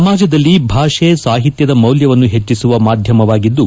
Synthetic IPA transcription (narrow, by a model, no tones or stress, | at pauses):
ɐmaːd͡ʒɐd̪ɐlːibʱaːʂeːsaːɦit̪jɐd̪ɐmɐwljɐʋɐnːuɦe̞t͡ʃːisuʋɐmaːd̪ʱjɐmɐʋaːɡid̪ːu